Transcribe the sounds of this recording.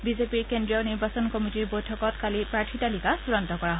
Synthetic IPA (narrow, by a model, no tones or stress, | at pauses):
bizepiɹkendɹiɔniɹbasɔnkɔmitiɹbojtʰɔkɔtkalipɹaɹtʰitalikasuɹɔntɔkɔɹaɦ